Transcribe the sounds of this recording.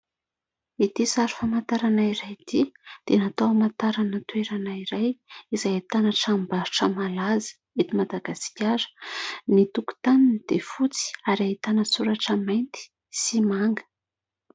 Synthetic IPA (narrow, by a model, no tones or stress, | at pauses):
it̪isaɾu̥famant̪aɾanaiɾajt̪id̪̥enat̪owamant̪aɾanət̪ueɾanaiɾajizajt̪anaʈ͡ʂambaɾuʈ͡ʂəmalazi̥ | et̪imad̪aɡasi̥kʲaɾə̥nit̪uku̥t̪aninid̪̥efut͡si̥aɾait̪anəsuɾaʈ͡ʂəmajnt̪i̥ | simaŋɡə̥